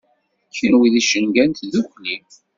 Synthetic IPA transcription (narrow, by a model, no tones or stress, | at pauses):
çinwiðiʃənɡænt̪ðukʷlim